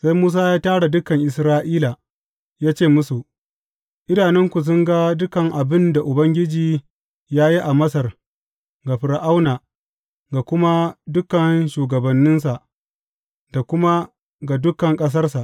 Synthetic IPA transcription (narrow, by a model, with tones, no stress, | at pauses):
sa˦jmuː˦s̬aː˦jaː˦taː˦ɽa˨dʊ˦kɐ˨ŋʔɪ˨sɾaː˦ʔiː˦la˨ | jaː˦t͡ʃeː˦˨mʊ˦su˨ | ʔɪ˦daː˨nɛ˦ŋkʷu˨s̬ʊ˦ŋɡa˦dʊ˦kɐ˨ŋʔa˨bɪ˦nda˨ʔʊ˨bɐ˦ŋɡʲɪ˦d͡ʒiː˨ | jaː˦ji˦ʔa˨mɐ˦sɐ˨r | ɡa˨ɸɪ˨ɾʔa˦wnaː˨ | ɡa˨kʷʊ˦ma˦dʊ˦kɐ˨nʃuː˨ɡɐ˨bɐ˨nːɪ˦nsa˨ʔ | ɡa˨kʷʊ˦ma˦ | ɡa˨dʊ˦kɐ˨ŋkʼɐ˦s̬ɐ˦rsa˨ʔ